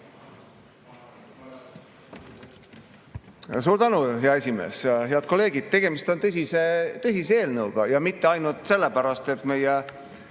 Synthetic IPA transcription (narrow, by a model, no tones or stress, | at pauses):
s̬uːɾt̪ænuɦeɑe̞sʲime̞̰ːsɦe̞ɑd̪̥ko̞lːe̞ːɡ̥id̪̥̚t̪e̞ɡ̥e̞mist̪o̞nt̪ɤsʲiset̪ɤsʲiseeːlnɤuwɡ̥ɑjɑmit̪ːeɑjnult̪ˑse̞lːepæɾɑst̪e̞t̪ːˑme̞je